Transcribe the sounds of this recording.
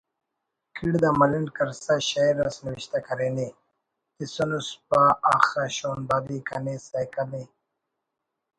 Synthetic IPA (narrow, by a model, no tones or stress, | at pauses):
kʰiɽd̪amɐlinkɐɾsaɕaiɾasniwiɕt̪akɐɾeni | t̪isonuspaaxaɕoːnbad̪ikanesajkali